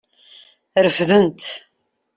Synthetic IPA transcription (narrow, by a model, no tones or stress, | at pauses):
ɾəfðənt̪